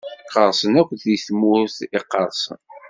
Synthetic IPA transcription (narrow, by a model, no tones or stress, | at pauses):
qəɾˤsˤənækʷːðiθmʊɾθɪqːɑɾˤsˤə̰n